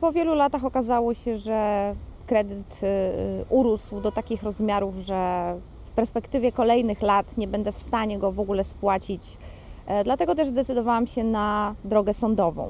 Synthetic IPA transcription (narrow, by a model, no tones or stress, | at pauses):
pɔvʲjɛlulat̪axɔkazawɔɕɛʐɛkɾɛd̪ɘt̪ | ʔuɾuswd̪ɔt̪akʲixɾɔzmʲjaɾufʐɛ | fpɛɾspɛkt̪ɘvʲjɛkɔlɛjnɘxlat̪ɲɛbɛnd̪ɛfst̪aɲɛɡɔvɔɡulɛspwat͡ɕit͡ɕ | d̪lat̪ɛɡɔt̪̬ɛʐzd̪ɛt̪sɘd̪ɔvawamɕɛnad̪ɾɔɡɛsɔnd̪ɔvɔ̰̃w̃